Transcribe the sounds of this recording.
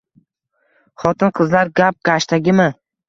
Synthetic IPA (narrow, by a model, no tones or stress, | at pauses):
χɒt̪ɪnqʰɨzlaɾɡʲap̚ɡ̥ʲaʃt̪ʰaɡʲɪmɪ